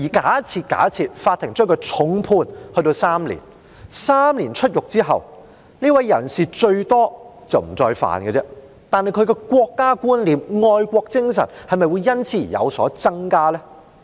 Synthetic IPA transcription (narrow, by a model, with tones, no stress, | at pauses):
jiː˨˩kaː˨˥t͡sʰiː˧t̚ka̰ː˨˥t͡sʰiː˧t̚faː˧t̪ʰːɪ˨˩ŋt͡ʃœː˥ŋkɔ˧t͡sʰʊ˨˥ŋpʰuː˧nhɵ˧t̪o˧wsaː˥mlḭ˨˩n | saː˥mliː˨˩nt͡ʃʰɵ˥t̚jʊ˨k̚t͡siː˥ɦɐ̰˨˩w | niː˥wɐ˨˦jːɐ˨˩nsiː˨t͡ʃɵ˧ɥt̪ɔː˥t͡sɐ˨˩wm̩˨˩t͡sɔː˧jfa̰ː˨˩nkɛ˧t͡sɛ˥ | t̪aː˨nhɐ˨jkʰɵ˨˧ɥkɛ˧kʷwɔː˧kːaː˥kuː˥nliː˨mŋɔː˧jkʷɔː˧k̚t͡sɪ˥ŋsɐ̰˨˩nhɐ˨jmɐ˨jwuː˨˧jːɐ˥nt͡sʰiː˧˥˨jɐ̰˨˧wsɔ̰ː˨˥t͡sɐ˥ŋkaː˥lɛː˥